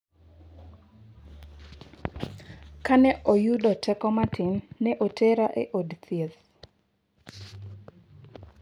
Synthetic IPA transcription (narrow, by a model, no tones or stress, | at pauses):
kanɛʔojudɔtʰɛkɔmatɪnːɛʔotʰeɾaʔeʔodt̪ʰjet̪